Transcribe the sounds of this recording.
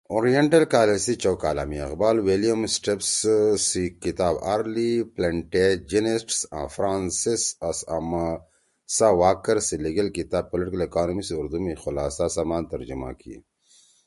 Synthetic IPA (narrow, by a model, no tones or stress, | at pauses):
oːɾijeɳʈɐlkaːlesit͡ʃowkaːla̰ːmiɐ̰qbaːlwelijɐmsʈepssikit̪aːbaːɾlipleɳʈed͡ʒinesʈsã̰ːfɾaːnsisɐsɐma | sawaːkɐɾsiliɡɐlkit̪aːb̚pːolɪʈikɐlekaːnomisiuɾd̪umixʊlaːsasamaːnt̪ɐɾd͡ʒuma̰kḭ